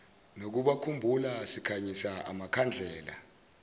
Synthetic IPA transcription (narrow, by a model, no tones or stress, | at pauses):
nok̬uɓakʰumbʱulasikʰaɲisaa̰makʰand͡ɮʱɛːla̰